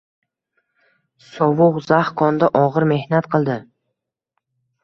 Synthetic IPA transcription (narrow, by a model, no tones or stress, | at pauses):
sɒvʊʁzahkʰɒnd̪aʔɒʁɨɾme̞hnat̪qʰɨlˠd̪ɪ